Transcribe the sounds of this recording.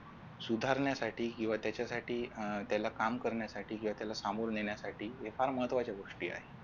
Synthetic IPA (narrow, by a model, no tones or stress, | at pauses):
sud̪ʱaɾɳjasaʈiːkĩw̃ʋat̪jat͡ɕjasaʈiːt̪jalakamkəɾɳjasaʈʰiːkĩw̃ʋat̪jalasamoɾneɳjasaʈʰiːefaɾməɦət̪ʋat͡ɕjaɡoʂʈiːa̰ɦe